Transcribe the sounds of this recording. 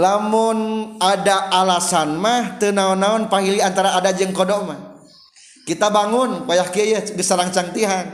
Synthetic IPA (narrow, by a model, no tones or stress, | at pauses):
lamʊnadaʔalasanmaht̪ənaɔnːaɔnpaɦiliant̪aɾaːdad͡ʒəŋkɔdɔmah | kit̪abaŋʊnkajahkijəɡəsalaŋt͡ʃaŋt̪iɦan